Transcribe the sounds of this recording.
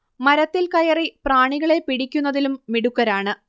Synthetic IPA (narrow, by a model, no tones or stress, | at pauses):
mɐɾɐt̪ːilkɐjɐripraːɳiɣɐɭe̞piɽikʲːunːɐðilumːiɽukːɐɾaːɳɨ